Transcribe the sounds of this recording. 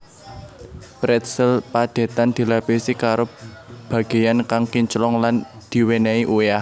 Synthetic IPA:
bɾɛt̪səlpad̪̥e̤t̪and̪̥i̤lapesikaɾob̥a̤ɡ̥e̤jankaŋkiɲt͡ʃlɔŋland̪̥i̤wenɛiʔueah

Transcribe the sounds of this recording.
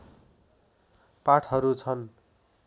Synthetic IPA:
paʈʰɦʌɾut͡sʰʌn

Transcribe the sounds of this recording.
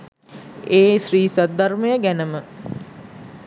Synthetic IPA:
eːsriːsatd̪arməjəɡænəmə

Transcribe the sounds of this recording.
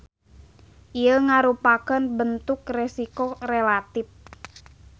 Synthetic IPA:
ʔiəŋaɾupakənbənt̪ʊkrɛsikorelat̪ɪf

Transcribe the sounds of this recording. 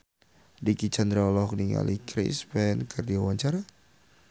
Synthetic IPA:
dikit͡ʃand̪ɾaɔlɔhkniŋa̰likʰɾḭspɛnkʰardiawaɲt͡ʃaɾa

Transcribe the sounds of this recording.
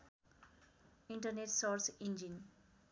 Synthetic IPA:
iɳʈʌrneʈsorsind͡ʒin

